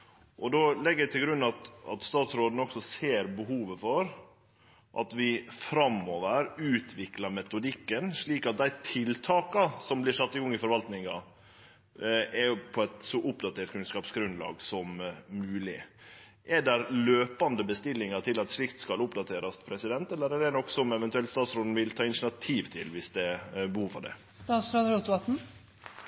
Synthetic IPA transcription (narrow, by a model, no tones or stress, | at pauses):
ʔɔd̪oːlɛɡːɛt̪ʰɪlɡɾʉnːɑt̪ɑ̰t̪st̪ɑːt̪sɾoːd̪n̩ɔksɔseːɾbəɦuːʋəfɔɾ | ʔɑ̰t̪ʋɪfɾɑmoːʋəɾʉːt̪ʰʋɪklɑmɛt̪ʊd̪ɪkːənʂɭiːkɑt̪̚d̪æɪt̪ʰɪlt̪ʰɑːkɑsɔmblɪsɑt̪ːɪɡɔŋːɪfɔɾʋɑlt̪nɪŋɑ | ɛjpʰɔɛt̪sɔʔʊpd̪ɑt̪ʰeːʈkʰʉnskɑːpsɡɾʉnd̪lɑ̰ːɡsɔmːʉːlɪ̰ | ʔɛɖɛɾløːpɑnd̪əbəst̪ɪlːɪŋɑt̪ʰɪlɑt̪ʂɭɪkt̪skɑlʊpd̪ɑt̪ʰeːɾɑspʰɾɛsɪd̪ɛnt̪ɛlːəɾɛɖɛnɔkːsɔmɛʋɛnt̪ʉɛlt̪st̪ɑːt̪sɾoːd̪n̩ʋɪlt̪ʰɑːɪnɪʂɳɑt̪ʰiːʋt̪ʰɪ̰lʋɪsd̪ɛbəhuːfɑ̰ɖɛ̰ | st̪ɑːt̪sɾoːd̪ɾot̪ɑt̪n̩